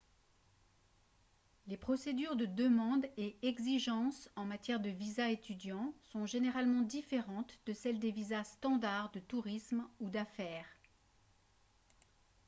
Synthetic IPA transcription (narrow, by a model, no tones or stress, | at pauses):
lepχɔsed̪yʁd̪əd̪əmɑ̃d̪eɛɡziʒɑ̃sɑ̃mat̪jɛʁd̪əvizaet̪yd̪jɑ̃sɔ̃ʒeneʁalmɑ̃d̪ifeʁɑ̃t̪d̪əsɛld̪evizast̪ɑ̃d̪aʁd̪ət̪uʁismud̪afɛːʁ